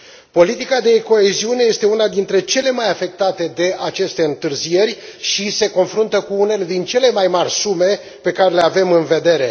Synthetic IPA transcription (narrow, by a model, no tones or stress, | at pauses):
po̞lit̪ikad̪e̞ko̞e̞ziuneje̞st̪e̞unad̪int̪ɾe̞t͡ʃe̞le̞majafe̞k̚t̪at̪e̞d̪e̞ʔat͡ʃe̞st̪e̞ɨnt̪ɨrzije̞rʲʃise̞ko̞nfɾunt̪əkuune̞le̞d̪int͡ʃe̞le̞majmarʲsume̞ | pe̞kaɾe̞leave̞mɨnve̞d̪e̞ɾe̞̰